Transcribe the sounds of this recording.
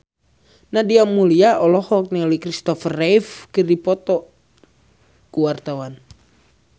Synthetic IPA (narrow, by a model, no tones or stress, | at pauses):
nahdiamuliaʔɔlɔhɔk̚nɛɔlikɾist̪ɔfərɛjfkɨrdipɔt̪ɔ | kuwart̪awan